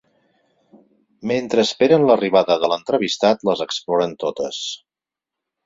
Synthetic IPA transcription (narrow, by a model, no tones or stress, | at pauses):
ment̪ɾəːspeɾənləriβaðəðələnt̪ɾəβist̪at̪ləzəksplɔɾənt̪ot̪əs